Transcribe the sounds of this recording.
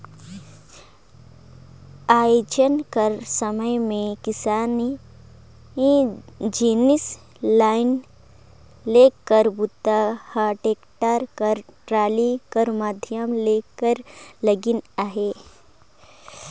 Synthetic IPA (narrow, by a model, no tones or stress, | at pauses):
aːjod͡ʒənkəɾsəməjmẽkɪsaːni | ɦid͡ʒiːnis | laːɪn | lekːəɾbut̪ːahaːʈeːkʈaːɾkəɾʈɾaːlikəɾmaːd̪ʱjəmlekəɾləɡinaːɦe